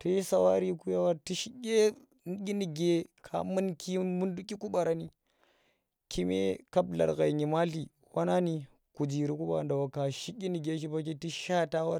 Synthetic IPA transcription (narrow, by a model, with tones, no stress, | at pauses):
ti˦i˦sa˨wa˦ɾi˦ku˦ja˦wa˦ti˦ʃi˦ɡʲe˦˨ | ɡʲi˦ni˨ɡe˦kʰa̰˨mɨ˦nki˦mu˦ndu˦kʲi˦ku˦ɓa˨ɾa˨ni˦ | ki˦mḛ˦ka˦bla̰˨ɾɣa˨i˨ɲi˨ma˦ɬi˨ | wa˦na˦ni˨ | ku˨d͡ʒi˨ɾi˨ku˦ɓa̰˨ɾa˨nda˨wa˨ka˨ʃi˦ɡʲi˦ni˨ɡe˦ʃ̬i˦ba˦k̬i˦ti˦ʃa˦ta˦wa˦ɾ